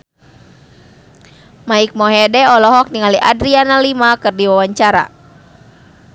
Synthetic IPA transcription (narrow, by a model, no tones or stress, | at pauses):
maik̚mɔɦɛdɛɔlɔɦɔk̚niŋaliʔadɾianalimakɨrdiwawaɲt͡ʃaɾa̰